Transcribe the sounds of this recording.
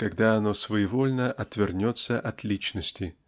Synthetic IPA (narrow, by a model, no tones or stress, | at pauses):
kɐɡd̪aɐno̞svəjɪvolʲnəɐt̪vʲɪrnʲo̞t̪sːəʔɐt̪lʲit͡ɕnəsʲtʲɪ